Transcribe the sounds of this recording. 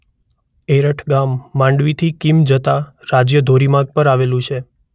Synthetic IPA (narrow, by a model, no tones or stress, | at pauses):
eɾəʈʰɡamːãɳɖʋit̪ʰikimd͡ʒət̪a | ɾad͡ʒjəd̪ʱoɾimaɡ̚pəɾaʋelũt͡ʃʰe